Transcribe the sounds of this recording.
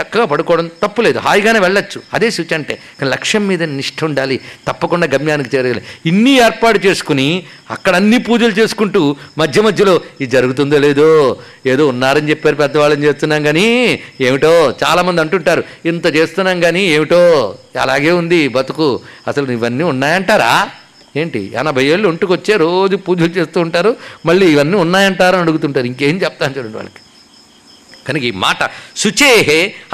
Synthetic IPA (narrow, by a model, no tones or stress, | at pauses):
tɐkːɐɡaːpɐɽukɔːɽɐmt̪ɐpːule̞ːd̪uɦaːjɡaːne̞ːʋɛɭːɐt͡ʃːuɐd̪e̞ːsut͡ʃɐɳʈḛːkaːnilɐkʂjɐmːiːd̪ɐniʂʈʰɐuɳɖaːlit̪ɐpːɐkuɳɖaːɡɐmjaːnik̬it͡ʃeːɾɐɡaːliinːieːɾpaːʈut͡ʃe̞ːsu̥kuni | ɐ̰kːɐɽɐɐnːiːpuːd͡ʒɐlut͡ʃe̞ːsu̥kuɳʈuːmɐd̪ʱjɐmɐd̪ʱjɐlo̞ːid͡ʒɐɾuɡut̪und̪ele̞ːd̪oː | e̞ːd̪o̞ːunːaːɾɐnt͡ʃepːaːɾupɛd̪ːɐʋaːɭːɐnt͡ʃeːst̪unːaːnɡaːnieːʋiʈoːt͡ʃa̰ːlaːmɐnd̪iɐɳʈuɳʈaːɾu | int̪ɐt͡ʃe̞ːst̪unːaːnɡaːnieːʋiʈoːɐ̰laːɡe̞ːund̪ibɐt̪ukuɐsɐluiʋɐnːiːunːaːjɐɳʈaːɾaː | eːɳʈḭɐ̰nɐbʱɐjeːɭːuɐɳʈukʋɐt͡ʃːe̞ːɾoːd͡ʒupuːd͡ʒɐlut͡ʃe̞ːst̪uːɳʈaːɾumɐɭːiːʋɐnːiːunːaːjɐɳʈaːɾɐnɐɽuɡut̪uɳʈaːɾiŋkeːmt͡ʃɛpɐt̪aːnut͡ʃuːɽɐɳɖiʋa̰ːɭɐki̥ | kɐnikima̰ːʈɐsut͡ʃeːɦe